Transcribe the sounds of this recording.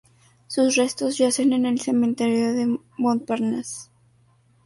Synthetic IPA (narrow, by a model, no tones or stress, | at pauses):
susre̞st̪o̞zʝase̞ne̞ne̞lse̞mẽnt̪eɾjo̞ðe | mont̪̚paɾnas